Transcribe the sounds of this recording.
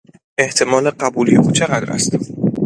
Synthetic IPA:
ʔe̞ht̪ʰe̞mɒːleɢæbuːlijeʔuːt͡ʃʰe̞ɣæd̪ɾæ̰st̪

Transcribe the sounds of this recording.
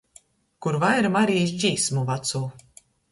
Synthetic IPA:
kuɾvajɾmaɾiːzd͡ʑiːsmuvat̪suː

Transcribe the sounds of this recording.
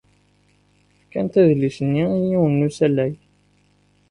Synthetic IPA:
fkːænt̪æðlisənːijiwənːusælːæj

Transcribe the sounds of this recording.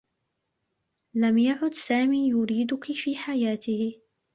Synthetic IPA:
lamjaʕʊd̪saːmiːjʊɾiːd̪ʊkɪfiːħajaːt̪ɪh

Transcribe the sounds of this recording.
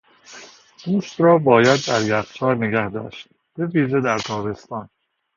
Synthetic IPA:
d̪̥uːst̪ɾɒːbɒːjæd̪ːæɾjæft͡ʃʰɒːɾneɡæhd̪ɒ̰ːʃt̪̚ | b̥e̞viːʒe̞d̪æɾt̪ʰɒːbe̞st̪ɒːn

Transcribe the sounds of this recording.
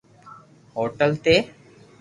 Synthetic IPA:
hoːʈəlt̪e

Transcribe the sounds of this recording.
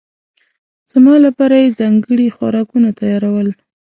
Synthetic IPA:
z̥mɑlapɑɾajezɑŋɡəɽixwa̰ɾɑkunat̪ajɑɾawəl

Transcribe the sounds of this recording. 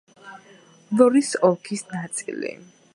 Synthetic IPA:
lɔɾisɔkʰisnat̪sʼilḭ

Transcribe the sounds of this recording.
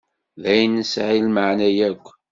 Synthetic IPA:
ðæjnəsʕilməʕnæjækʷː

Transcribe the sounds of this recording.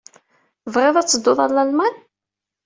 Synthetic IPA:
vʁɪðˤæt͡sːəd̪ːoðˤɑlːalman

